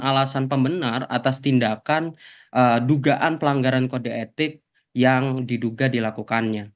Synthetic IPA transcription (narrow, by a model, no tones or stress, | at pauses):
alasanpəmbənara̰t̪ast̪indakan | ʔəduɡaʔanpəlaŋɡaɾankodeet̪ɪk̚ | jaŋdiduɡadilakukanɲa